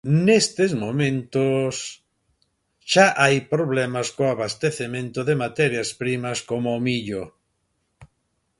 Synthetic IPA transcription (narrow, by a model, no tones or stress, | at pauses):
nest̪ɪzmomẽnt̪ʊs | ʃaʔajpɾoβlɛmaskoaβast̪eθemẽnt̪ʊðemat̪ɛɾjaspɾimɐskomʊːmiʎo